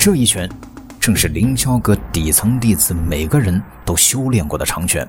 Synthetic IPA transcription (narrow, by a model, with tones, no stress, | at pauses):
ʈ͡ʂɤ˥˧i˥˩t͡ɕʰɥɛ˧˥n | ʈ͡ʂɤ˥˧ŋʂɻ̩˥˩li˧˥ŋt͡ɕʰjɑ˥ʊkɤ˧˥t̪i˨˩t͡sʰɤ˧˥ŋt̪i˥˩t͡sɹ̩˥˩me˨˩ɪɡə˦ɻə˧˥nt̪o˥ʊɕjo˥ʊljɛ˥˧nkwɔ˥˩d̪ə˩ʈ͡ʂʰɑ˧˥ŋt͡ɕʰɥɛ̰˧˥n